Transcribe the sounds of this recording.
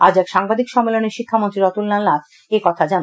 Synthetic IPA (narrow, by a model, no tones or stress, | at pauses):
ad͡ʑɛkʃaŋbad̪ikʃɔmːeloneɾʃikʰːamont̪ɾiɾɔt̪ulnalːat̪ | ekɔt̪ʰad͡ʑan